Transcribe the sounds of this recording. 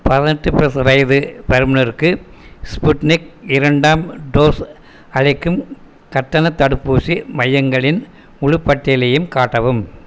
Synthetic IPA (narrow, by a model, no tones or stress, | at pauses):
pɐðɪnɐʈːɯpɪɾɐsɐʋɐjðɯpɐɾɯmnɐɾkːɯ | spʊʈnɪk̚ɪɾɐɳɖaːmɖoːs | ɐɻɪkːɯm | kɐʈːɐnɐt̪ːɐɽɯpːuːsimɐjːɐŋɡɐɭɪn | ʊɻʊpːɐʈːelɐjɯmkaːʈːɐʋɯm